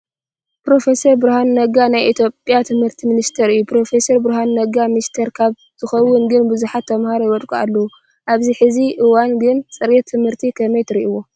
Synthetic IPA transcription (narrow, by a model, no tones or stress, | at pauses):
pɾo̞fesɐɾbɨɾhanːɐɡanajʔit̪ʰjo̞pʼːjat̪ʰɨmhɨɾt̪ʰiminist̪ʰɐɾɨjːupɾo̞fe̞sɐɾbɨɾɦanːɐɡamnist̪ʰɐɾkʰaβ | z̥ʰɨxɐwːʊnɡɨnbɨzuħat̪ʰːɐmhaɾojɪwɐt̪ʼkʼua̰lːɐu | ʔaβziħɨziʔɨwanɡɨnt͡sʼɨɾet̪ʰːɨmhɨɾt̪ʰikʰɐmɐjt̪ʰɨɾiʔiwo